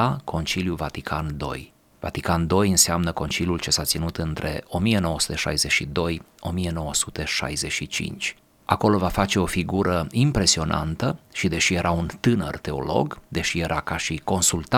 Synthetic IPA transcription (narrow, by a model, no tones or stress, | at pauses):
akʰo̞nt͡ʃiljuvat̪ikʰand̪o̞̰j | va̰t̪ikand̪o̞jɨnseamnəko̞nt͡ʃilijult͡ʃe̞sat̪sinut̪ɨnt̪ɾe̞̰o̞mije̞no̞wəsu̥t̪e̞ʃa̰jze̞ʃid̪o̞j | o̞mie̞no̞wəsut̪e̞ʃa̰jze̞ʃit͡ʃḭnt͡ʃʲ | a̰ko̞lo̞vafat͡ʃe̞o̞fiɡuɾəimpɾe̞sio̞nʔa̰nt̪əʃid̪e̞ʃije̞ɾʔaunt̪ɨnə̰rt̪e̞o̞̰lo̞̰ɡd̪e̞ʃije̞ɾʔakaʃiko̞nsult̪a